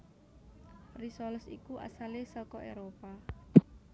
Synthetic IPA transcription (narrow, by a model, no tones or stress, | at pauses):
risɔlɔsḭkuʔa̰salesɔkɔʔḛɾopa